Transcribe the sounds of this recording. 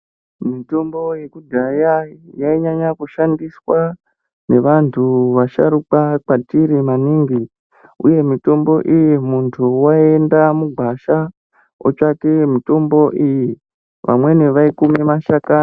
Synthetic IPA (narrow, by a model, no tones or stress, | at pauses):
mito̞mbo̞jekudʱajajaiɲaɲakuʃandiswa | ne̞ʋantʰuʋaʃaɾukak͡patiɾimaniŋɡi | ṵje̞mito̞mbo̞ʔijimuntʰuwaendamuɡʱwaʃa | o̰t͡ʃakemito̞mbo̞ʔiji | ʋa̰mwe̞ne̞ʋaikumimaʃaka